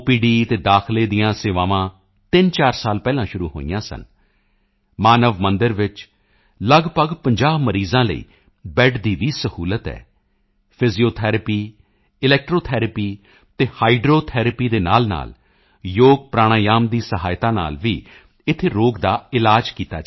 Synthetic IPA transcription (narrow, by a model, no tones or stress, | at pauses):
piːɖiːt̪eːd̪aːkʰleːd̪ɪjãːseːʋaːʋãː | t̪ɪnt͡ʃaːɾsaːlpɛːlãːʃʊɾuːɦo̰ːḭjãːsə̰n | maːnəʋmənd̪əɾʋɪt͡ʃ | ləɡpəɡpəɲd͡ʒaːbməɾiːzãːlə̰ḭː | bɛːʈʰd̪iːʋiːsəhuːlət̪ɛ̰ː | pʰɪzioːt̪ʰɛːɾəpiː | ɪlɛːk̚ʈɾoːt̪ʰɛːɾəpiː | t̪eːhaːiɖɾoːt̪ʰɛːɾəpiːd̪eːna̰ːlna̰ːl | joːɡ̚pɾaːɽ̃aːjaːmd̪iːsəɦa̰ːɪt̪ãːna̰ːlʋiː | ɪt̪ʰːeːɾoːɡd̪aːɪlaːd͡ʒkiːt̪a̰ː